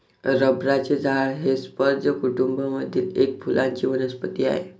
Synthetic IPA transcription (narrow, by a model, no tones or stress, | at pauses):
ɾəbɾat͡ɕed͡zʱaɭɦespəɾd͡zəkuʈumbʱəməd̪ʱːiːlek̚pʰulʔãɲt͡ɕiːʋənəspət̪ia̰ɦḛ